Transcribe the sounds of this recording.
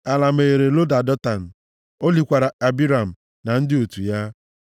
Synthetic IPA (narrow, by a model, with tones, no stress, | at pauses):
a˨la˨m̩e˨ɾe˨lo˦da˨dɔ˦ta˨n̩˨ | o˦li˨kʷa˨ɾa˨a˨bi˦ɾa˨m̩˨ | na˨n̩˦dɪ˦o˨tu˨ja˦